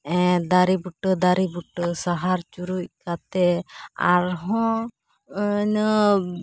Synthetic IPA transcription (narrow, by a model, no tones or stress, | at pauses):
ɛ̃d̪aɾibuʈd̪aɾibuʈsaɦaɾt͡ʃuɾuc̚kat̪ɛa̰ɾɦɔ̃ | nə